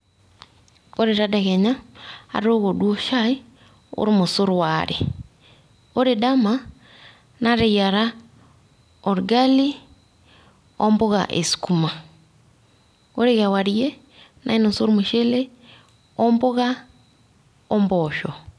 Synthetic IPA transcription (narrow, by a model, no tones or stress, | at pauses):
oɾeɾadaɣeɲa̰ːɾɾoɣoduoʃai | o̰ɾimosoɾwaɾḛ | oɾedama | naɾejaɾa | ɔɾɡali | ɔmboɣa̰ʔḛsi̥kuma | oɾeɣawaɾie | nʔa̰inosoɾumeʃele | ɔmboɣa | ɔmbɔʃɔ